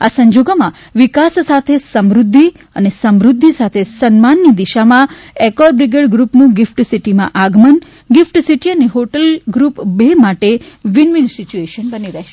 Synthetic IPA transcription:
asəɲd͡ʒoɡomã | ʋikasːat̪ʰesəmɾʊd̪ʱːi | ənesəmɾud̪ʱːisat̪ʰesənmanːid̪iʃamã | ekɔɾbɾiɡeɖɡɾupnũɡɪfʈsiʈimã̰ʔaɡmən | ɡɪfʈsiʈiəneɦoʈəlɡɾupbemaʈeʋinʋinsit͡ʃueʃənbəniɾəɦʃe

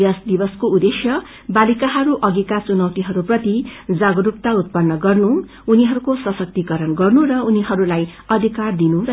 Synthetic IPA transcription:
jasd̪ibʌskoud̪esjʌ | balikaɦʌɾuʔʌɡekat͡sunʌwt̪iɦʌɾuprʌt̪id͡zaɡʌɾup̚t̪aut̪̚pʌnːʌɡʌrnu | uniɦʌɾukosʌsʌk̚t̪ikʌɾʌnɡʌrnurʌuniɦʌɾulajʌd̪ʱikard̪inuɾʌ

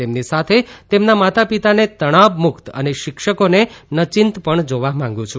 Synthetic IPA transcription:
t̪emnisat̪ʰet̪emnamat̪apit̪anet̪əɽ̃aʋmʊkt̪ə̰neʃɪkʃəkonenət͡ʃɪnt̪pəɳd͡ʒoʋamãŋ̆ɡũt͡ʃʰu

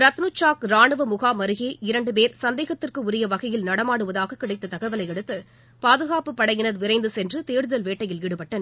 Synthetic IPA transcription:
ɾɐt̪nut͡ʃːaːkɾaːɳɯʋɐmʊɣaːmɐɾɯɣeːɪɾɐɳɖɯpeːɾsɐnd̪eːɣɐt̪ːɪrkɯʊɾɪjɐʋɐɣɐjɪlnɐɽɐmaːɽɯʋɐðaːɣɐkːɪɽɐɪt̪ːɐt̪ɐɣɐɪʋɐlɐɪɛɽɯt̪ːɯ | paːðɯɣaːpɯpːɐɽɐjɪnɐðʋɪɾɐɪnd̪ɯsɛndrɯt̪eːɾɯðɐlʋeːʈːɐjɪlɪɽɯpɐʈːɐn

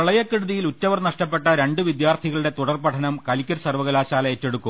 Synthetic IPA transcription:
ɐɭɐjɐkːiɽuðijilutːɐʋɐrnɐʂʈɐpːe̞ʈːɐɾe̞ɳɖɨʋid̪jaːrt̪ʰiɣɐɭɨɽe̞t̪uɽɐrpɐʈʰɐnɐmkɐlikʲːɐɾsɐrʋɐɣɐlaːɕaːlɐetːe̞ɽukːum

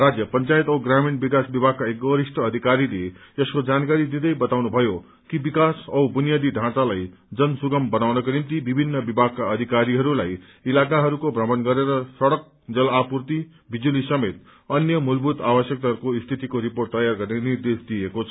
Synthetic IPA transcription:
rad͡zjʌpʌnt͡sajt̪ʌwɡraminbikasbibʱaɡ̚kaekɡʌɾisʈʌʌd̪ʱikaɾile | ʌskod͡zankaɾid̪id̪ʌjbʌt̪awnubʱʌjo | kibikasʌwbunjad̪iɖʱãt͡salaj | d͡zʌnsuɡʌmbʌnawnʌkonimt̪ibibʱinːʌbibʱaɡ̚kaʌd̪ʱikaɾiɦʌɾulaj | ilakaɦʌɾukobʱrʌmʌnɡʌɾeɾʌsʌɽʌk̚ | d͡zʌlapurt̪i | bid͡zulisʌmet̪̚ | ʌnjʌmulbʱut̪abʌsjʌk̚t̪aɦʌɾukoist̪ʰit̪ikoɾiporʈ̚t̪ʌjarɡʌrnenird̪esd̪ijekot͡sʰʌ

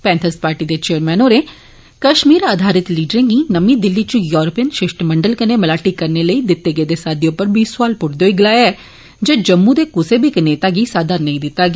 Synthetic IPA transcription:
pɛ̃ːnt̪ʰəspaːɾʈiːd̪eːt͡ʃeːəɾmɛːnoːɾeː | kəʃmiːɾaːd̪ʱaːɾɪt̪liːɖəɾẽːŋɡiːnəmĩːd̪ɪlːiːt͡ʃũjɔːɾopijənʃɪʃʈməɳɖəlkəneːməlaːʈiːkəɾneːləiːd̪ɪt̪ːeːɡeːd̪eːsaːd̪eːʊpːəɾbiːsʊwaːlpʊʈd̪eoːiɡəlaːjaɛː | d͡ʒeːd͡ʒəmːud̪eːkʊseːbʱiːkneːt̪aːɡiːsaːd̪anəĩːd̪ɪt̪ːaːɡ

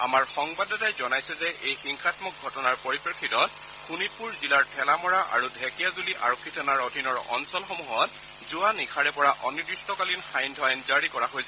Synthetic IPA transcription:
a̰maɹxɔŋbadɔtajzɔnajsɛzɛʔejxiŋxʰatmɔk̚ɡʱɔtɔnaɹpɔɹipɹɛkʰːitɔt̚ | xʰunipuɹzilaɹtʰɛlamɔɹaʔa̰ɹudʱɛkijazuliʔa̰ɹɔkʰːitʰanaɹɔdʱinɔɹɔ̰nsɔlxomuɦɔt | zuanikʰaɹɛpɔɹaʔɔnidɹistɔkalinxajndʱɔajnzaɹikɔɹaɦojsɛ

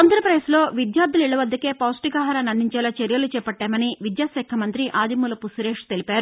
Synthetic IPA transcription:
ɐnd̪ɾɐpɾɐeslo̞ːʋid̪jaːɾ̚d̪ʱuliɭːɐʋɐd̪ːɐke̞ːpaːsʈikaːɦɐɾaːnɐnd̪iɲt͡ʃɛːlaːt͡ʃeɾjɐlut͡ʃɛːpɐʈːaːmɐniʋid̪jaːsɛːkʰːɐmɐnt̪ɾiʔaːd̪imulɐpusuɾeːʂt̪e̞lipaːɾu

